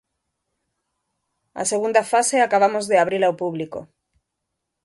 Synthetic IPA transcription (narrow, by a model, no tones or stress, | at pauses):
a̰seɣũnd̪afaseakaβ̞amozðeaβ̞ɾilawpuβliko̰